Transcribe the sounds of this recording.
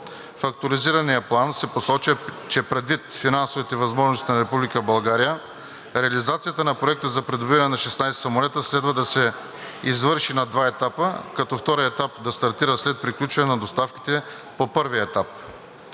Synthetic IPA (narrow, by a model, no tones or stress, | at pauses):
fɐk̚t̪oɾiziɾɐnijəplˠansɛposɔt͡ʃət͡ʃɛpɾɛd̪vit̪finansovit̪ɛvɐzmɔʒnost̪inɐɾɛpublikəbɐlˠɡaɾijə | ɾɛɐlizat̪sijət̪ənɐpɾoɛk̚t̪əzɐpɾɛd̪obiɾɐnɛnɐʃɛsnajsɛ̥sɐmolɛt̪əslɛd̪vɐd̪ɐsɛ | izvɤɾʃinɐd̪vaɛt̪apəkɐt̪ɔft̪ɔɾijəɛt̪ap̚d̪ɐst̪ɐɾt̪iɾəslɛt̪̚pɾiklʲut͡ʃvɐnɛnɐd̪ost̪afk̟i̥t̪ɛ | popɤɾviəɛt̪ap